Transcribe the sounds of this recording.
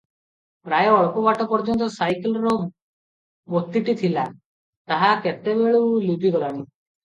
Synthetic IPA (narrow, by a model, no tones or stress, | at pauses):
pɾajɔɔɭɔkɔbaʈɔpɔɾd͡ʒɔnt̪ɔsajkelɔɾɔ | mot̪ːiʈit̪ʰila | t̪aɦaket̪ebeɭulud̪ʱiɡɔlaɽ̃i